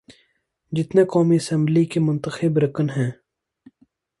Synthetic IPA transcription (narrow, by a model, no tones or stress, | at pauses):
d͡ʒɪt̪nekɔːmiɐsə̃mblikemʊnt̪əxɪbɾɐkənɦɛ̃ː